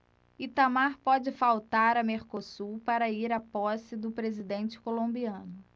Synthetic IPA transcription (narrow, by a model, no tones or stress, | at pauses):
it̪amaɾpɔd͡ʒɪfawt̪aɾɐmeɾkosuɾpaɾɐiɾapɔsɪd̪ʊpɾezid̪ẽnt͡ʃɪ̥kolõmbiɐ̃nʊ